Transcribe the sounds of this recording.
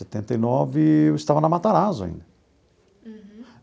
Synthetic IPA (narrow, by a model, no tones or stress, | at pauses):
set̪ẽnt̪ejnɔvɪewɪst̪avɐnɐmat̪aɾazʊa̰ḭ̃nd̪ɐ